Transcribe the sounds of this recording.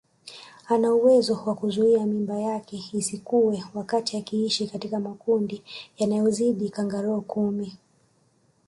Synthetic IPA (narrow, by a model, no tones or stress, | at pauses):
anauwɛzɔwakuzuiamimbajakɛisikuwɛwakatiakiiʃikatikamakundijanajɔziɗikaŋɡaɾɔːkumi